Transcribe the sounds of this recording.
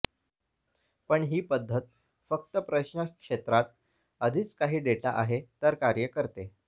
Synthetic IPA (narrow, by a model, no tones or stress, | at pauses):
pəɳɦiːpəd̪ʱːət̪̚ | fək̚t̪əpɾəɕɳəkʂet̪ɾat̪̚ | əd̪ʱiːt͡skaɦiːɖeʈaʔaɦet̪əɾkaɾjəkəɾt̪e